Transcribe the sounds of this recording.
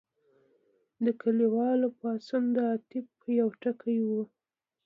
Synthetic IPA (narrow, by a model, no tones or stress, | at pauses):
d̪əkʰaliwɑlpɑsund̪əat̪ɪbpəjawʈakajwu